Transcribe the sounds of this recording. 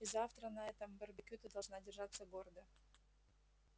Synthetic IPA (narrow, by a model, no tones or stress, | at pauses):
izaft̪ɾənɐɛt̪əmbərbʲɪkʲut̪əd̪ɐlˠʐnadʲɪrʐat̪sːəɡord̪ɨ